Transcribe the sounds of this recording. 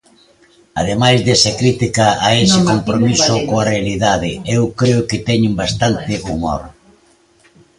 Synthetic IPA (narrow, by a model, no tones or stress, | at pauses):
a̰ð̞emajzðesɐkɾit̪ikaaesɪkompɾomisʊkoarealiðaðɪewkɾeʊkɪt̪ɛɲɪmbast̪ant̪ɪʔumo̰ɾ